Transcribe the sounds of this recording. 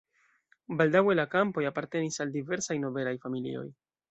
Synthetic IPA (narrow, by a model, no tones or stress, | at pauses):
baldawe̞lakampojapaɾte̞nisaldive̞ɾsajno̞be̞lajfamilḭo̞̰j